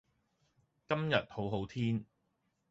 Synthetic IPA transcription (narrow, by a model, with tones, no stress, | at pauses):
kɐ˥mjɐ˨t̚ho˨˥wɦo˨˥wt̪ʰiː˥n